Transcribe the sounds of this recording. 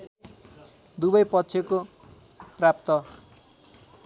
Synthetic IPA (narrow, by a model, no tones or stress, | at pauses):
d̪ubʌjpʌtːsʰjʌko | prap̚t̪ʌ